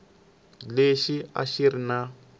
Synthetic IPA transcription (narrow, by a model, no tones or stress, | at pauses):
leʃia̰ʃiɾina